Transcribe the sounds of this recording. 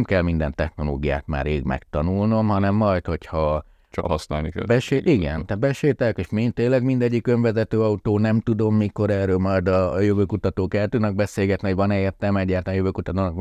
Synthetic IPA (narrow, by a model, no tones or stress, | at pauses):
mkɛlmind̪ɛnt̪ɛxno̞lo̰ːɡija̰ːt̪ma̰ːreːɡmɛ̰kt̪ɒnulno̞mɦɒnɛmːɒjt̪ho̞chɒ | t͡ʃɦɒsna̰ːlnikɛ̰bɛʃeːʔiɡɛnt̪ɛbɛʃeːlt̪ɛlkeːʃmint̪eːlɛɡmind̪ɛɟːikø̞ɱvɛzɛt̪øːɒut̪oːnɛmt̪ud̪o̞mːiko̞ɾɛːrøːlmɒjd̪ɒjøvøːkut̪ɒt̪oːkɛlt̪ynɛɡ̚bɛseːlɡɛt̪niɦoɟvɒnɛːrt̪ɛmɛɟːaːrt̪aːnjøvøːkut̪ɒt̪oːnk